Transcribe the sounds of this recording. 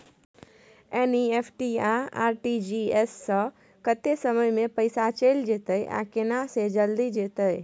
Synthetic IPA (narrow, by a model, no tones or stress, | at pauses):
eniepʰʈiaa̰ːɾʈid͡ʒiesːə̃ | kət̪esəməjmẽpəɪsat͡ʃeːld͡ʒet̪əjʔa̰kenased͡ʒəld̪id͡ʒet̪əj